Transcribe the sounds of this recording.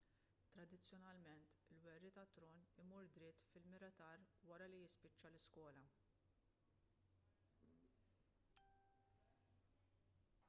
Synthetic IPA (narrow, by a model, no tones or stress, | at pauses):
t̪ɾɐd̪ɪt͡sːjɔnɐlmɛnt̪ɪlwɛrːit̪ɐt̪ːɾɔːnɪmɔɾd̪ɾɪt̪ːfɪlmɪɾɐt̪ɐːɾwɐɾɐlijɪspɪt͡ʃːɐlɪskwɔːlɐ